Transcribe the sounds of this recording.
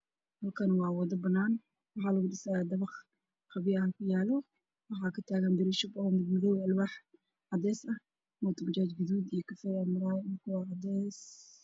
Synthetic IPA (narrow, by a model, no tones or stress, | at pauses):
hɐlkʰɐnwɑːwɔːd̪ɐbɐnːaːn | wɑħɑːlɐɣʊɖɪsɐjad̪ɐβɑχ | qɑβɪjɐɦɐkʰʊjaːlɔ | wɑħɑːkʰɐt̪ʰaːɣɐnbɪɾɪʃʊbɔmɪd̪mɪðɔwɐlwaːħ | ʕɑd̪ɛːsɐ | mɔt̪ʰɐbʊt͡ʃaːt͡ʃɡʊðuːd̪ijkʰɐfɛɾɐmʊɾaːnkʰʊwɑʕɑd̪ɛːs